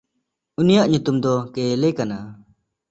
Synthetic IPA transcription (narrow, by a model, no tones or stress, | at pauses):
unijaʔɲut̪umd̪ɔkelɛkana